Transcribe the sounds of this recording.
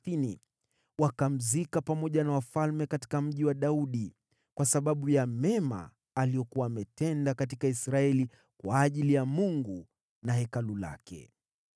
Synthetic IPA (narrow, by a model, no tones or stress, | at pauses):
inḭ | wakam̩zikapamɔʄanawafalmɛkati̥kam̩ʄiwaɗauɗi | kwasaɓaɓujamɛma̰ː | lijɔkuwaːmɛtɛndakatikaisɾaɛli | kwaːʄilijamuŋɡu | nahɛkalula̰kɛ̰